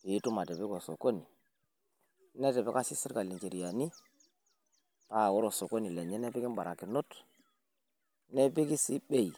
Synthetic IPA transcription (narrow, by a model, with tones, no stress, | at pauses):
i˨˦tu˦ma˨te˨bi˦ɡo˨so̰˨ko˦ni˨˦ | ne˦te˨be˦ka˦si˦si˦ɾka˨li˨nt͡ʃe˨ɾi˨ja˨ni˦ | pa˦˨wo˦ɾo˨so˨ko˦ni˨le˨ɲe˦ne˦bi˦ki˦nba˨ɾa˨ki˨no˦t | ne˦bi˦ki˦si˦ɓe˦i˨